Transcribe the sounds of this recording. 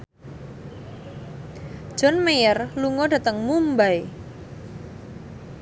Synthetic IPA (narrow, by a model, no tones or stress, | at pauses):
d̥ʒ̥ɔnmejərluŋɔɖä̤t̪əŋmumbaj